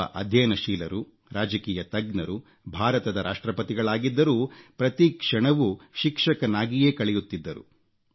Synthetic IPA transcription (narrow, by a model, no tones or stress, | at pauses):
ɐ̰ʔɐd̪ʱjɐjnɐʃiːlɐɾu | ɾaːd͡ʒɐkiːjɐt̪ɐɡnɐɾu | bʱaːɾɐt̪ɐd̪ɐɾʔaːʂʈɾɐpɐt̪iɡɐɭaːɡid̪ːɐɾuːpɾɐt̪ikʂɐɳɐʋuʃikʂɐkɐnaːɡijeːkɐɭɛjut̪ːid̪ːɐɾṵ